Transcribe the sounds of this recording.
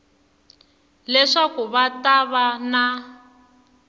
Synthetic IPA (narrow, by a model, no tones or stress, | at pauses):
lɛʂakuβataβana